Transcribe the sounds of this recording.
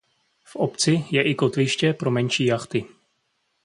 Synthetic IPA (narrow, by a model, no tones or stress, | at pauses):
fʔopt͡sɪjɛʔɪko̞t̪vɪʃcɛpɾo̞mɛnʃiːjaxt̪ɪ